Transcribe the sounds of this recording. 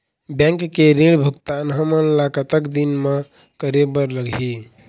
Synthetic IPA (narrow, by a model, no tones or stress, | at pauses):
bɛ̃ŋkːeɾiɭbʱukt̪anɦəməlakət̪əkd̪inme | kəɾebəɾləɡʱi